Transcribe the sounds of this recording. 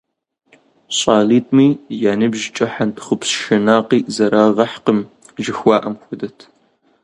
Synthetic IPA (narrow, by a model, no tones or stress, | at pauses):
ɕʼaːliːtʰʼmiːjaːnɨbʒt͡ʃʼɐħantʰχʷʊpsʃɐnaːqiːzɐɾaːʁɐħqəm | ʒɪxʷɑːʔɐmxʷʊdɐtʰ